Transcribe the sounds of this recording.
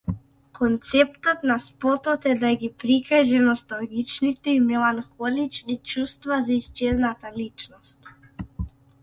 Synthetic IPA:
kʰɔnt̪sɛpt̪ɔt̪naspɔt̪ɔt̪ɛd̪aɡipɾikaʒɛnɔst̪alˠɡit͡ʃnit̪ɛimɛlˠanxɔlit͡ʃnit͡ʃust̪vazaist͡ʃɛznat̪alit͡ʃnɔst̪̚

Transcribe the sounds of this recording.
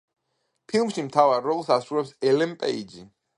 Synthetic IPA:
pʰilˠmʃimt̪ʰavaɾːɔlˠsasɾuɾɛpsɛlɛmpʼɛ̰idd͡ʒḭ

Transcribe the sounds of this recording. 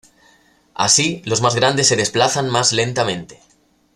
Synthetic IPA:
a̰silo̞zmazɣɾand̪e̞sːe̞ðe̞splaθanmazle̞nt̪amẽ̞nt̪e̞̥

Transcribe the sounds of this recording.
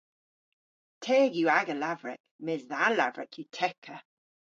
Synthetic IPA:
tʰeːɡjuːaɡəlavɹɛ̰kmɪzðala̰vɹɛ̰kʰjutʰɛkʰə

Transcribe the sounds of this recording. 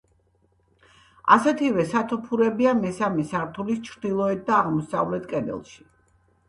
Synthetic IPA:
a̰sɛt̪ʰivɛsat̪ʰɔpʰuɾɛbiamɛsamɛsaɾt̪ʰulist͡ʃʰɾd̪ilˠɔɛt̪̚d̪aːʁmɔsa̰vlɛt̪ʰkʼɛd̪ɛ̰lˠʃi̥

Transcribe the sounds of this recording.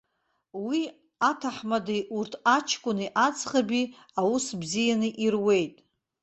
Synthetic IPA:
wi | atʰaħmadejʔurtʰat͡ʃʰkʷʼʊniʔat͡sʰʼχabi | awusbzijanɨʔirwe̞jtʼ

